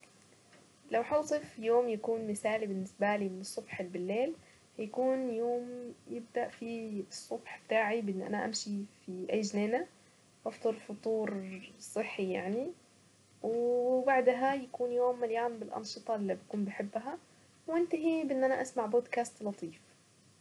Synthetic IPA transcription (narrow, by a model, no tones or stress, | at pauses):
lawħɑwsˤɨfjoːmjakuːnmɪsaːlibɪnːɪsbalimɪnɨsˤːʊbħɪlbɪlːeːl | hajakuːnjoːmjɪb̚d̪aʔfiɨsˤːʊbħb̥ɪt̪aːʕibʔɪnːʔa̰naʔa̰mʃifiʔajːʒneːna | ʔɑft̪ˤɨɾfʊt̪ˤuːɾsˤɨħːijaʕni | wbaʕd̪ɦajakuːnjoːmːaljaːnbɪlʔɑ̰nʃɨt̪ˤɑlːibakuːnbɪħɪbːɦa | wɪnt̪aɦibʔɪnːʔanaʔasmaʕboːd̪kaːst̪lɑt̪ˤiːf